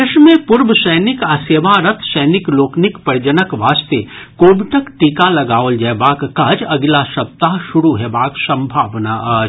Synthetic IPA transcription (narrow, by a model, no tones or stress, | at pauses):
ɪʃmẽpʊɾbʃəjnɪkaːseːʋaɾɐt̪ʰʃəjnɪkloːknɪkpɐɾd͡ʒənəkʋaːst̪ekoːbɪʈəkʈiːkalɐɡaːold͡ʒɛbaːkːad͡ʒɐɡlaʃɐb̚t̪aːʃʊɾuɦɛbaːksɐ̃mbʱaːʋnaɐ